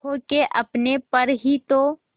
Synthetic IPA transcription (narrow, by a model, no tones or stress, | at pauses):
okeʔɐpnepɐɾɦit̪o